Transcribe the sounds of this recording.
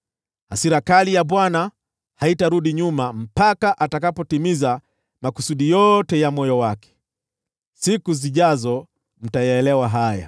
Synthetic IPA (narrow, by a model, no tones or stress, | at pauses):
hasiɾakalijaɓwana | haitaɾuɗiɲumam̩pakaʔatakapɔtimiza | makusuɗijɔtɛjamɔjɔwakɛ̥ | sikuziʄazɔ | m̩tajaːlɛwaɦaja̰